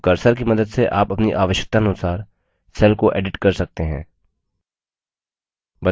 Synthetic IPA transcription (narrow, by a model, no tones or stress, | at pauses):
kɐɾsəɾkimɐd̪əd̪seʔaːpɐpniʔaːʋəʃjək̚t̪aɐnʊsaːɾ | sɛːlkoʔɛ̰ːɖɪʈkɐɾsɐk̚t̪eɦɛ̰̃ː | bɐ